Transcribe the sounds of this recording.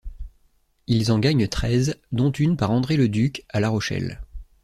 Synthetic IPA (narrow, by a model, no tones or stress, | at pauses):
ilzɑ̃ɡaɲt̪χɛzd̪ɔ̃t̪ynpaʁɑ̃d̪ʁeləd̪ykalaʁɔʃɛ̰l